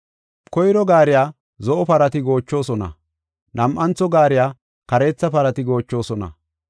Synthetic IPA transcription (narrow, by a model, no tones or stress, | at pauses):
kɔjɾɔɡaːɾɪjaː | zɔʔɔpɐɾɐt̪ɪɡo̞ːt͡ʃːo̞ːsɔnɐ̰ | nɐmʔɐnt͡sːɔɡaːɾɪjaː | kɐɾe̞ːt͡sːɐpɐɾɐt̪ɪɡo̞ːt͡ʃːo̞ːsɔnɐ̰